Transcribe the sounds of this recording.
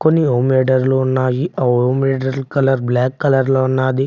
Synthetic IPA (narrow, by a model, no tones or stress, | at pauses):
konːiɦoːmeːɖɐɾlounːaːjiaɦoːmeːɖɐɾlkɐlɐɾblaːkːɐlɐɾlounːaːd̪i